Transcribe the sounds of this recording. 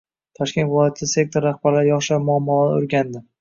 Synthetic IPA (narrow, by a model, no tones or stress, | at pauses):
t̪ʰɒʃkʲe̞nvɪlˠɒjat̪ʰɪd̪ase̞k̚t̪ʰoɾːaχbaɾlaɾjɒχʃamʊamːɒl̰ʊ̰ɾɡʲand̪ɪ